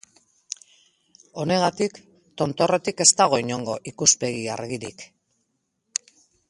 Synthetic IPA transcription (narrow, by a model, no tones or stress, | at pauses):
o̞ne̞ɣat̪ik | t̪o̞nt̪o̞re̞t̪ike̞st̪aɣ̞o̞iɲo̞ŋɡo̞ʔikuspe̞ɣia̰ɾɣiɾḭk